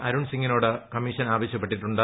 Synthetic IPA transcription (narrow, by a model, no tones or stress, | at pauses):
ʔɐɾuɳsiŋːinoːɽɨkɐmiʂɐnaːʋɐɕjɐpːeʈːiʈːuɳɖɨ